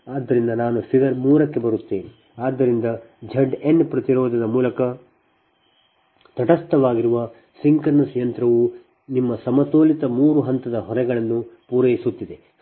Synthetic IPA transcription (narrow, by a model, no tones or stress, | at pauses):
aːd̪ːɐɾind̪ɐnaːnufiɡɐɾmuːɾɐkːe̞bɐɾut̪ːeːni | aːd̪ːɐɾind̪ɐ | d͡ʒʱɐɖenːpɾɐt̪iɾɔːd̪ʱɐd̪ɐmuːlɐkɐ | t̪ɐʈɐst̪ɐʋaːɡiɾuʋɐ | siŋkɐɾnɐsjɐnt̪ɾɐʋu | nimːɐsɐmɐt̪oːlit̪ɐmuːɾuɦɐnt̪ɐd̪ɐɦɔɾɛɡɐɭɐnːupuːɾɐjisut̪ːid̪e̞